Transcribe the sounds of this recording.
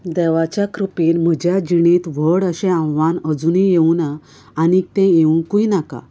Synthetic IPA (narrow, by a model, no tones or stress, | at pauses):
d̪ɛʋat͡ɕjakɾupiːnm̤əd͡ʑjad͡ʑiɽ̃ẽt̪ʋ̤əɽəɕɛ̃ãwʋanəd͡zunijeuna | anik̚t̪ɛ̃jeũkuinaka̰